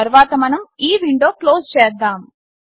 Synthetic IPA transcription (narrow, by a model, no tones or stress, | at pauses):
ɐɾʋaːt̪ɐmɐnɐmiːʋiɳɖoːklo̞ːst͡ʃɛːd̪ːaːm